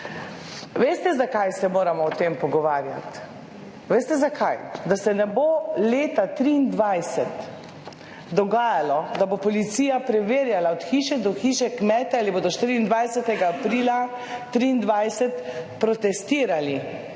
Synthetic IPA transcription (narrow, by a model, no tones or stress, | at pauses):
ʋeːst̪ɛzakajsɛmoːɾamɔːt̪eːmpɔɡɔʋaːɾja̰t̪ | ʋeːst̪ɛzakʰajd̪asɛnɛboleːt̪at̪ɾiːnd̪ʋajsɛt̪ | d̪ɔɡaːjalɔd̪abopɔlit̪siːjapɾɛʋeːɾjalaɔt̪xiːʃɛd̪ɔxiːʃɛkmɛːt̪ɛaliboːd̪ɔʃt̪iːɾiːnd̪ʋajsɛt̪ɛɡaːpɾiːla | t̪ɾiːnd̪ʋajsɛt̪pɾɔt̪ɛst̪iːɾali